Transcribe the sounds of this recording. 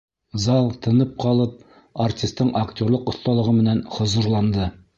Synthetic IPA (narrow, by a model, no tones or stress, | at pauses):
zɑlˠt̪ʰɤ̆nɤp̚qɒlˠɤp̚ | artʲist̪ːɤɴaktʲo̞ɾlˠɤqŏθt̪ɑlˠɤ̆ʁɤmɘ̆nænχŏzŭɾlˠɑnd̪ɤ